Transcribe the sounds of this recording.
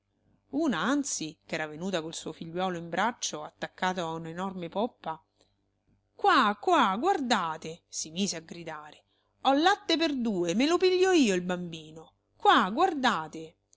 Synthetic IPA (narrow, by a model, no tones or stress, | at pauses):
uːnaant̪sikɛːɾavenuːt̪akoilsuːofiʎːwɔːloimbɾʔat͡ʃːoat̪ːakːaːt̪oaunenɔrmepɔpːa | kwakwaɡward̪aːt̪esimiːzeaɡɾid̪aːɾe | ɔlːat̪ːeperd̪uːemelopiʎːɔiːoilbambiːno | kwaɡward̪aːt̪e